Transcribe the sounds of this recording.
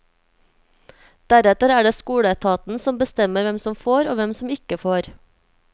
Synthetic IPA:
d̪̥æɾɛt̪əɾæːɖeːskuːɽət̪ʰɑːt̪n̩sɔmbəst̪ɛməɾʋɛmsɔmfoːɾoːʋɛmsɔmɪkəfoːɾ

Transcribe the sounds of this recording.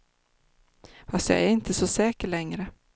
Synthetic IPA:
fast̪jɑ̰ʔæ̰ɾɪnt̪əsɔsɛːkəɭɛŋɾə

